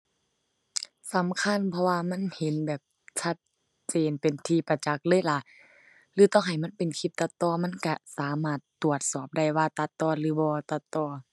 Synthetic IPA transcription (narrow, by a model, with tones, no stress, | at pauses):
sa˨˦mkʰa˧˥˨npʰɔ˧waː˧ma˧˥˨nhe˨˦nbɛː˨˩p̚ | t͡ɕʰa˧t̪̚ | t͡ɕeː˨npe˨nt̪ʰiː˧pa˧˩t͡ɕa˧˦k̚lɤː˧˥˨jla˧˨ʔ | lɯː˨˦t̪ɔː˧˥˨ŋɦa˨˩jma˧˥˨npe˨nkʰi˧˩p̚t̪a˧t̪ːɔː˧˩ma˧˥˨nka˧˩saː˨˦maː˧˩t̪ːu˨˩ət̪̚sɔː˨˩p̚da˧˩jwaː˧t̪a˧t̪ːɔː˧˩lɯː˨˦bɔː˧t̪a˧t̪ːɔː˧˩